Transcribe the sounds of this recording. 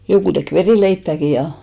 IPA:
jokuˑ tek ʋeriˑleipːæˑki jɑ

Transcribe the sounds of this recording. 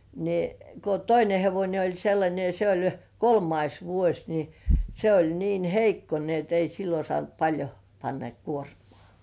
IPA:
ni ko toine heʋonʲe olʲ selːɑnʲe jɑ se olʲ kolmɑis ʋuosʲ ni se olʲ niːn heikːo ni et ei silːo sŏɑˑnt pɑlʲjo pɑnːɑ kuormŏɑˑ

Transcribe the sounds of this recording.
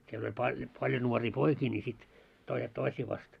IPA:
siel olʲ pɑ pɑljo nuoriː poikiː nʲi sit toiset toisiː ʋɑst

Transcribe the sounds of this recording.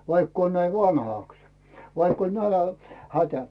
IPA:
ʋɑikː oːn næi ʋɑnhɑˑks ʋɑikː olʲ nælæ hætæ

